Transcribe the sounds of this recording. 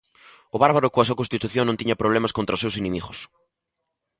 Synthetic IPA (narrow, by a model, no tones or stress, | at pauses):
ʊβaɾβaɾʊkoɐs̬uwɐkõnst̪it̪uθjõŋnõniɲɐpɾoβ̞lɛmaskont̪ɾɐosewsenẽmiɣʊs